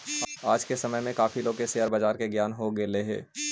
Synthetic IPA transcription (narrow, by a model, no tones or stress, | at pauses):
aːd͡ʒkesɐməjmẽkaːfʰiloːɡkesejəɾbəd͡ʒaːɾkeɡjaːnɦoɡeleɦɛ̰ː